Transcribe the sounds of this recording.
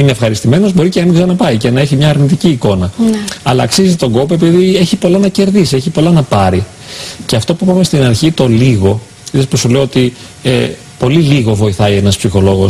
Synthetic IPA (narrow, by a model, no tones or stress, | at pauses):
ineːfxɐɾist̪ime̞nozbo̞ɾiceɐmiɡzɐnɐpɐice̞nɐe̞çimɲɐːɾnit̪iciːko̞nɐɐlɐːksizit̪o̞ɡo̞poe̞p̬iðie̞çipo̞lɐnɐce̞ɾðisieçipo̞lɐnɐpɐɾi | ce̞ɐft̪o̞puipɐmest̪inɐɾçit̪o̞liɣo̞ | iðesposule̞oot̪i | e | po̞liliɣo̞vo̞iθɐie̞nɐspsixo̞lo̞ɣo̞s